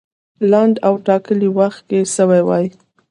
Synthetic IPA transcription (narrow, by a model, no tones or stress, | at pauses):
laɳɖawʈɑkəliwaxt̪̚keʃəwajwɑ̰j